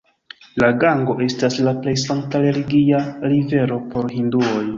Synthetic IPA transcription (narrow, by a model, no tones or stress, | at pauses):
laɡaŋɡo̞ʔe̞staslaple̞jsaŋk̚taɾe̞liɡiaɾive̞ɾo̞po̞ɾɦinduo̞j